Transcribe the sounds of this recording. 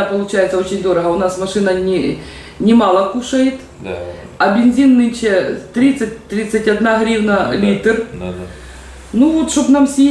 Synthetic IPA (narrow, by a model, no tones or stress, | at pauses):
apɐlˠʊt͡ɕajɪt̪sɐo̞t͡ɕɪnʲd̪oɾɐɦɐʊnasmɐʂɨnɐnʲɪ | nʲɪmalˠɐkuʂɐjɪt̪ | ɐbʲɪnʲzʲinːɨnʲʃɛt̪ɾʲit̪sːɨtʲt̪ɾʲit̪sɐtʲɐd̪naɦɾʲiwnɐlʲit̪r | nuvot̪ʂobnamsʲje